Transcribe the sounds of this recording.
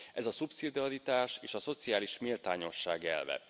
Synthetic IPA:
ʔɛzɒsupsid̪iɒɾit̪aːʃeːʃɒso̞t̪siaːliʃmilt̪aːɲo̞ʃːaːɡɛ̰lvɛ̰

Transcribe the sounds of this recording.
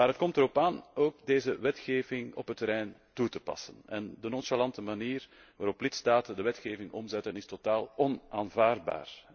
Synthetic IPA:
maːɾɦət̚kɔmtəɾɔpaːnoːk̚deːzəʋɛtxeːvɪŋɔ̰pɦətəɾɛjntutəpɑ̰sənɛndənɔnʃalɑntəmaniːr | ʋaːɾɔplɪtstaːtəndəʋɛtxeːvɪŋɔmzɛtənɪstotaːlɔnʔaːnvaːrd̚ba̰ːr

